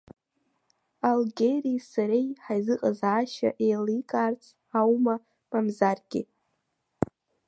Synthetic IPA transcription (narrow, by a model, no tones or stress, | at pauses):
alɡʲerisaɾejħajzɨqʼazaːʃa̰ʔejlikʼart͡sʼʰ | awma | mamzarɡʲɪ